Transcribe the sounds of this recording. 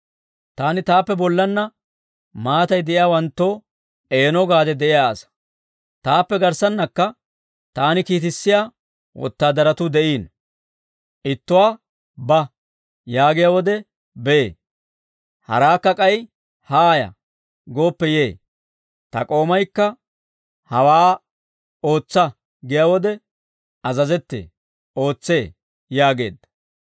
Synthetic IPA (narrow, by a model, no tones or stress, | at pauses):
t̪aːnɪt̪aːpːɛbɔlːɐnːɐ | maːt̪ɐjd̪ɛʔɪjaːwɐnt̪ːo̞ː | e̞ːnɔɡaːd̪ɛd̪ɛʔɪjaːsɐ̥ | t̪aːpːɛɡɐɾsɐnːɐkːɐ | t̪aːnɪkiːt̪̬ɪsːɪjaː | wʔɔ̰t̪ːaːd̪ɐɾɐt̪ʊd̪ɛʔiːn | ʔɪt̪ːʊwaː | bɐ | jaːɡɪjawɔd̪ɛ | bɛeː | hɐ̰ɾaːkːɐkʼɐj | haːjɐ̰ | ɡo̞ːpːɛje̞ː | t̪ɐ̰kʼo̞ːmɐjkːɐ | hɐwaː | o̞ːt͡sːɐ | ɡɪjaːwɔd̪ɛ | ɐzɐzɛt̪ːḛː | ʔo̞ːt͡sːe̞ː | jaːɡe̞̰ːd̪ɐ̥